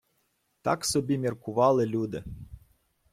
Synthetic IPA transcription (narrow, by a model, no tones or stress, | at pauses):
t̪a̰ksɔbʲimʲirkʊʋɑlˠɪlʲud̪ɪ